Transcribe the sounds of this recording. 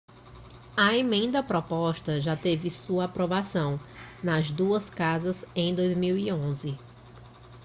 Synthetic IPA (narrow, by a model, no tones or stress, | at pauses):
ɐemẽnd̪ɐpɾɔpɔʃt̪ɐʒat̪evɪsuɐapɾɔvasɐ̃w̃nɐzd̪uɐskazɐzẽj̃d̪ojzmiwiõzɪ